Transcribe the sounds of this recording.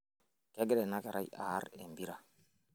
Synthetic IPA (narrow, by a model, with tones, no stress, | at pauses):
kɛ˦ɡɾɛ˨na˦ka˨ɾʔa̰˦ja̰˨˦ɾe˨mbi˦ɾa˨